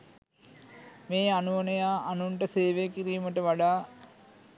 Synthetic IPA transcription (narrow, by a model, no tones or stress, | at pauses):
meːɐnuʋɐnɐjaːʔɐnuɳʈəseːʋekiɾijumɐʈəʋɐɽaː